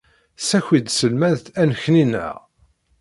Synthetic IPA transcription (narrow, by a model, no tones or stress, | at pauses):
sæçid̪səlmæðθænçninːæ̰ʁ